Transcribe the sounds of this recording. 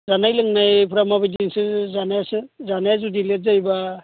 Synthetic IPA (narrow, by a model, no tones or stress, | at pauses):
zanajlɯŋnajpʰɾamabajdinsɯzanajasɯzanajazudilet̚zajba